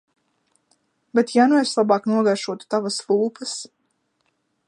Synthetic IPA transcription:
bet̪januɛslˠabɑːknuɔɡajʃuɔt̪u̥t̪avasvuːpəs

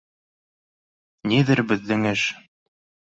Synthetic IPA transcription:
niðɘɾbɘ̆ðːɘŋɘʃ

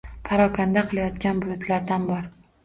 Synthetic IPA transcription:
pʰaɾɒkʲʰand̪aqʰɨlˠajɒt̪kʲanbʊj̪ʊt̪laɾd̪anbɒɾ

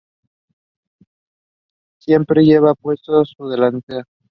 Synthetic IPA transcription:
sje̞mpɾe̞ʝe̞βapwe̞st̪osuð̞elant̪e

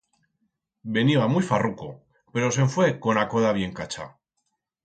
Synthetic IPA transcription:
be̞niβamujfaruko | pe̞ɾo̞s̬e̞ɱfwe̞ko̞nakoðaβje̞ŋkat͡ʃa̰

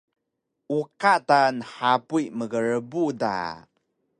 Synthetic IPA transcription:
ʔukaʔtanəħapuiməɣəɾəbuda̰

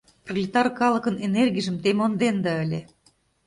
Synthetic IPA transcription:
prolʲit̪ɑrkɑlɤ̆kɤ̆nenerɡʲiʒə̆mt̪emond̪end̪ɑə̆lʲe

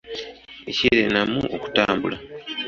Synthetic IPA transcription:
eciɾenamuʔoku̥taːmbula

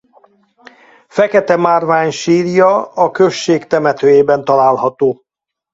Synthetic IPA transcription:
fɛkɛt̪ɛmaːrvaːɲʃiːrjɒɒkø̞ʃːeːkt̪ɛmɛt̪øːjeːbɛnt̪ɒlaːlɦɒt̪oː

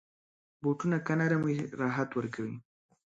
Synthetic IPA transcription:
boʈunakanaɾamiɾɑːɦat̪wəɾkawi

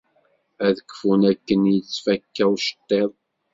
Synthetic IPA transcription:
æðəkːfunækːənjət͡sːfækːæwʃə̥t̪ˤːeðˤ

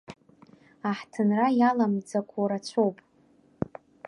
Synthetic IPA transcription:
aħtʰɨnrajalamd͡zakʷʰoɾat͡ɕʷʰo̞wpʼ

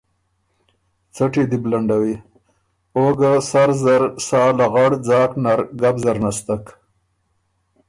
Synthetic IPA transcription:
t͡saʈid̪iblaɳɖawi | oɡasaɾzaɾsɑːlaɣaɽd͡zɑːknaɾɡabzaɾnast̪ak

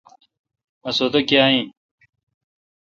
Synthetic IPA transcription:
ɐsot̪ɐkjaːĩ

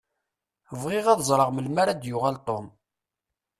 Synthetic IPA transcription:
vʁɪʁɑðzˤɾˤəʁməlmaɾad̪jʊʁælt̪ˤom

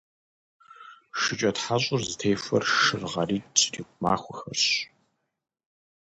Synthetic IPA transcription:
ʂɨt͡ʃʼɐtħaɕʼʊrzɨtʰejfɐ̰rʃɨrʁɐriːt͡ʃʰʼikʷʼʊma̰ːxʷʊxɐrɕ

